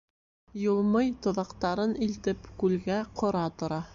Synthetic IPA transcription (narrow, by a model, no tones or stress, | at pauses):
jŏlˠmɤjt̪ŏðɑqt̪ɑɾɤnilt̪ɘpkʉlɡæqʰŏɾɑt̪ŏɾɑ